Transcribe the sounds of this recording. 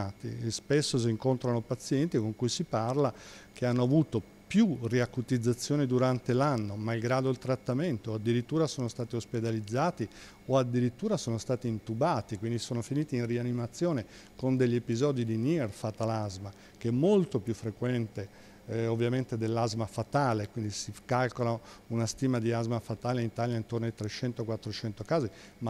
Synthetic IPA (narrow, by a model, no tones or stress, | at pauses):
aːt̪ḭspesːos̬iːŋkont̪ɾanopat̪sːjɛnt̪ikoŋkujsiparlakeanːoavuːt̪o | pjuriakut̪id̪zːat̪sːjoːned̪uɾant̪elanːomalɡɾaːd̪oilt̪ɾat̪ːament̪oad̪ːiɾit̪ːuːɾasoːnost̪aːt̪iosped̪alid̪zːaːt̪i | oad̪ːiɾit̪ːuːɾasoːnost̪aːt̪iːnt̪ubaːt̪ikwind̪isoːnofiniːt̪iːnrianimat̪sːjoːne | kond̪eʎːepizɔːd̪id̪inirfat̪alazma | keɛmːolt̪opjufːɾekwɛnt̪e | ovːjament̪ed̪elːazmafat̪aːlekwind̪isikalkolaunast̪iːmad̪iazmafat̪aːleint̪aːljaint̪ornoit̪ɾet͡ʃɛnt̪okwat̪ːɾot͡ʃɛnt̪okaːzi | ma